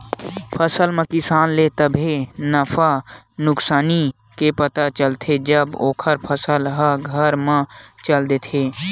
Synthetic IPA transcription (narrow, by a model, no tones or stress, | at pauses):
pʰəsəlmə̃kɪsaːnlet̪əbʱinəfanʊksaːni | kepət̪at͡ʃəlt̪ʰed͡ʒəboːkʰəɾpʰəsəlɦəɡʱəɾmə̃t͡ʃəld̪eːt̪ʰeː